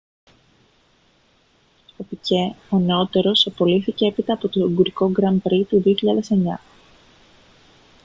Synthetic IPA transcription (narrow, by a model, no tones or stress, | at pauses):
t̪opiceɐno̞t̪e̞ɾo̞sɐpo̞liθice̞epit̪ɐːpo̞t̪oŋɡuɾiko̞ɡɾɐmbɾit̪uðioçiʎɐðe̞se̞ɲɐ